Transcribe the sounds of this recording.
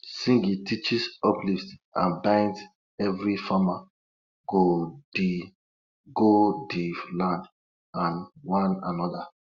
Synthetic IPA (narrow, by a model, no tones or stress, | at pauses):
sĩŋɡitit͡ʃisɔpliftã̰nbãɪ̃nd | ɛvɾifama | ɡ̥odi | ɡodilãnd | ãnwãna̰nɔda